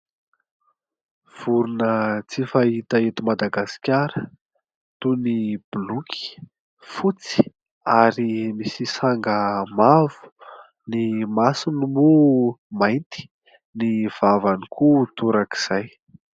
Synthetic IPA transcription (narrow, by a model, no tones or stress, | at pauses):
v̥uɾunət͡sifait̪aet̪umad̪aɡaskʲaɾə | t̪unib̥ulukʲi̥ | fut͡si̥ | aɾimisisaŋɡəmavu̥ | nimasinumumajnt̪i̥ | niv̥avanikʰut̪uɾaki̥z̥aj